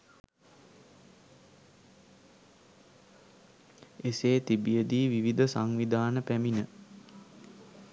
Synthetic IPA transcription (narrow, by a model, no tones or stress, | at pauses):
eseːt̪ibijəd̪iːʋiʋid̪ʱəsaŋʋid̪ʱaːnəpæminə